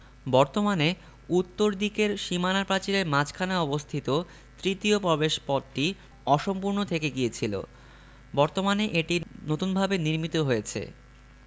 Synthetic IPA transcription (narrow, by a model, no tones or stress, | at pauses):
bɔɾt̪omane | ut̪ːoɾd̪ikeɾʃimanapɾat͡ɕiɾeɾmat͡ɕkʰanaɔbost̪ʰit̪o | t̪ɾit̪iopɾɔbeʃpɔdʈi | ɔʃompuɾnot̪ʰekeɡijet͡ɕʰilo̰ | bɔɾt̪omaneʔeʈinot̪unbʱabeniɾmit̪oɦojet͡ɕʰḛ